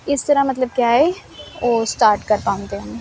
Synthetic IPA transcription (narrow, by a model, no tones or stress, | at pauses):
ɪst̪ɐɾamɐt̪̬ləb̚kjaːɦɛ | oːsʈaːɾʈkɐɾpãːʊ̃nt̪eɦɐme